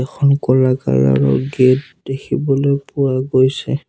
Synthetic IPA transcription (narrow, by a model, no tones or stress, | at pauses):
ɛxʰɔnkɔlaka̰la̰ɹɔ̰ɡet | dekʰibɔlojpʊwaɡojsɛ